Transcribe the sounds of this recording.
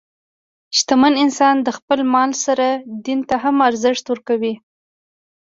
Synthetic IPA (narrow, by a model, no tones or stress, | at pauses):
ʃt̪amanɪnsɑnd̪əxpəlmɑlsaɾad̪int̪aɦamaɾzɪʂt̪wəɾkawi